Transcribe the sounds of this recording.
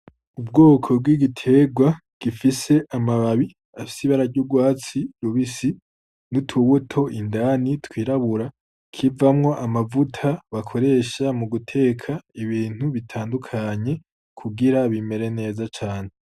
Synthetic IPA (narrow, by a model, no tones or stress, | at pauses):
ubɡo̞ːkʰo̞b̚ɡwiɡitʰe̞ɡwa | ɡ̥ifise̞ʔamaβaβi | afi̥siβaɾaɾɟuɡwaːt͡siɾuβisi | nutʰuβutʰo̞ʔindanitkwiːɾaβuɾa | kʰivamŋo̞ʔamavutʰaβakʰo̞ɾe̞ːʃamuɡutʰe̞ːkʰaiβiːn̥huβitʰaːndukʰaɲe̞ | kʰuɡiɾaβime̞ɾe̞ne̞ːzat͡ʃaːn̥e